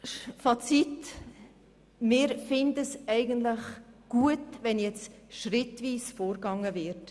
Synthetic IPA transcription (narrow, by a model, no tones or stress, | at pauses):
fɑt͡sit | mɪːɾfɪndəsɛɪɡəntlɪχɡ̥uətvɛnjɛt͡sʃrɪtviːsfoːɾɡɑŋəvɪɾt